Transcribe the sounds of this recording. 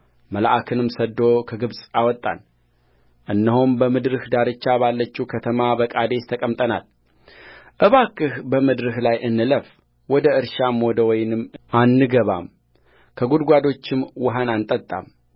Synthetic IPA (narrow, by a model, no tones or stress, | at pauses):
məla̰ʔakʰɨnɨmsəd̪o̞kʰəɡɨβsʼawɔt̪ʼːa̰n | ʔɨnːɨɦombəmɨd̪ɾɨhd̪aɾɨt͡ʃːabalːət͡ʃːiukʰət̪ʰəmabəkʼad̪e̞st̪ʰəkʼəmt̪ʼəna̰l | ʔɨβakːɨhbəmɨd̪ɾɨhlajʔɨnːɨləf | wɔd̪əɨɾʃamɔd̪əwɔjnɨmːʔanːɨɡəβa̰m | kʰəɡud̪ɡʷad̪o̞t͡ʃːɪmwʊɦanant̪ʼət̪ʼːa̰m